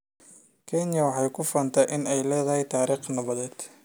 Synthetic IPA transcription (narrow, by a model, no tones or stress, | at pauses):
kʰɛnjɐwɑħɑjkʰʊfɐːnt̪ʰɐʔɪnɛjlɛːðɐɦɛjt̪ʰaːɾiːχnɐβɐðɛːd̪̥